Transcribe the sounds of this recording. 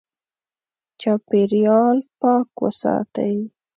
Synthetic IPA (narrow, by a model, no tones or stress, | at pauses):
t͡ʃɑpeɾjɑlpɑkwə̰sɑ̰t̪ə̰j